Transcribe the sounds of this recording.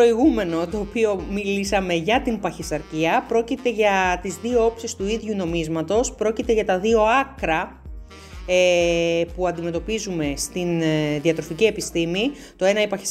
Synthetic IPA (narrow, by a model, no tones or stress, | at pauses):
ɾo̞iɣume̞no̞t̪o̞ːpio̞milisɐme̞ʝɐt̪impɐçisɐɾciɐpɾo̞cit̪e̞ʝɐt̪izðio̞o̞psist̪uiðʝuno̞mizmɐt̪o̞spɾo̞cit̪e̞ʝɐt̪ɐðio̞ɐkɾɐ | epuɐnd̪ime̞t̪o̞pizume̞st̪inðiɐt̪ɾo̞ficie̞pist̪imi | t̪o̞e̞nɐipɐçis